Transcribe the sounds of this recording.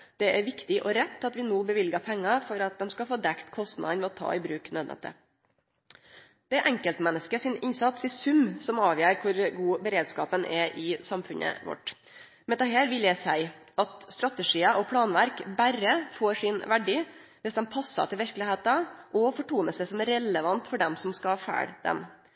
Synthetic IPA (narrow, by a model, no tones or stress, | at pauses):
d̪̥ɛæɾʋɪkt̪ɪʔɔɾɛt̪ʰːɑt̪ʋɪnoːbəʋɪlɡɑpʰɛŋːɑfɔɾɑt̪̚d̪ɛmskɑfoːd̪ɛkt̪kʰɔst̪nɑ̰d̪nʋɛɔt̪ʰɑ̰ːɪbɾʉːknøːd̪nɛ̰t̪ːə̰ | d̪̥ɛʔɛŋkəlt̪mɛnːəskəsɪnɪnsɑt̪sɪsʉmsɔmɑːʋjæːɾkʰʊɾɡuːbəɾeːd̪skɑːpənʔɛʔɪsɑmfʉnə̰ʋɔ̰ʈː | mɛd̪ɛɦæːɾʋɪljæɪsæɪʔɑt̪st̪ɾɑt̪əʂiːɑʔɔpʰɽɑːnʋæɾkbæɾəfoːɾʂɪnʋæɖiː | ʋɪsd̪ɛmpʰɑsːɑ̰t̪ʰɪlʋɪɾklɪheːt̪ɑʔɔfɔʈuːnəsɛɪsɔmæɾɛləʋɑnt̪fɔɖɛmsɔmskɑhɑfæ̰ːɽd̪̥ɛ̰m